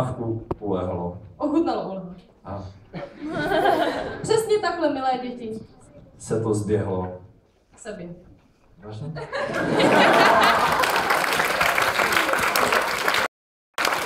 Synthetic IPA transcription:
fkupolɛɦloʔoɦut̪aloʔolɦu | ʔa | pr̝̥ɛsɲɛt̪aklɛmɪlɛːɟɛcɪ | sɛt̪ozbjɛɦlo | sɛbɛ | aʒɲɛ

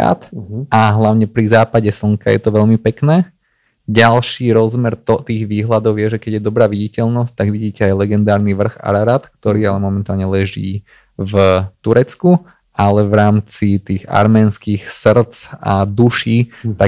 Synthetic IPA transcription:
a̰ːt̪ʔaɦlaʊɲɛpɾizaːpaɟɛsl̩ŋkajɛ̰t̪ɔʋɛʎmipɛknɛː | ɟalʃiːɾɔzmɛɾt̪t̪iːɣʋiːɦlad̪ɔʊjɛʒɛkɛɟjɛd̪ɔbɾaːʋiɟicɛʎnɔsc̚t̪aɡʋiɟiːcɛajlɛɡɛnd̪aːɾniʋr̩xa̰ɾaɾat̪k̚t̪ɔɾiːalɛmɔmɛnt̪aːlɲɛlɛʒḭː | vt̪uɾɛt͡sku | ʔalɛʋɾaːmt͡sit̪iːɣa̰ɾmɛːnskixsr̩t͡sa̰d̪uʃiːt̪a

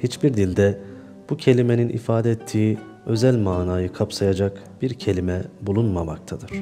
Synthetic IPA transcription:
hit͡ʃbiɾd̪ilʲd̪ɛ | b̥ucʰe̞lʲime̞ninʔḭfaːd̪ɛɛt̪ʰːiː | ø̞zælʲmaːnaːjɯkʰapsajad͡ʒak | b̥iɾcʰe̞lʲimɛbulˠunmamak̚t̪ʰad̪ɯɾ̝̥

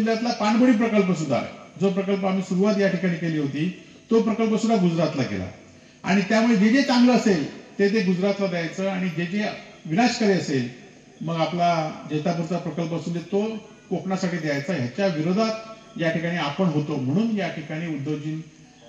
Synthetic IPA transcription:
ljat̪lapaɳbəɽiːpɾəkəlp̬əs̬ud̪ʱa̰ɾd͡zopɾəkəlp̬əam̤iːsuɾuʋat̪jaʈikaɽ̃iːkeliːɦot̪iː | t̪opɾəkəlp̬əsud̪ʱaɡud͡zɾat̪lakḛla̰ | a̰ɽ̃it̪jamued͡ʑed͡ʑet͡sãŋɡləəselt̪et̪̬eɡud͡zɾat̪lad̪ejajt͡səaɽ̃id͡ʑed͡ʑe | ʋinaɕkəɾeəsel | məɡaplad͡ʑet̪ap̬uɾt͡sapɾəkəlp̬əsunet̪o | kokɳasaʈʰiːd̪ejajt͡sajat͡ɕaʋiɾod̪ʱat̪ | jaʈikaɽ̃iapəɳɦot̪om̤əɽ̃uːnjaʈʰikaɽ̃iːud̪ːod͡ʑiːn

